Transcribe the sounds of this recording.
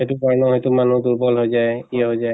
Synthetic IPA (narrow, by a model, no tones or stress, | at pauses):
etubaɹnɔɦejtumanuduɹbɔlɦojzajkiɛɦojza